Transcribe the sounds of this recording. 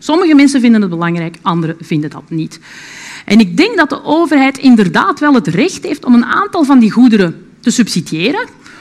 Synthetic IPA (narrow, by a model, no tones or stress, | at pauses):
sɔməɣəmɛnsənvɪndənɦəd̚bəlɑŋrɛːjkɑndəɾəv̥ɪndəndɑ̰tnit | ʔɛnɪɡ̚dɛŋɡ̚dɑt̚dəʔoːvərɦɛjtɪndərdaːtʋɛlˠɦətrɛxtɦeːftɔməna̰ːntɑlˠvɑndiɣudəɾə | təsɵpsidijeːɾən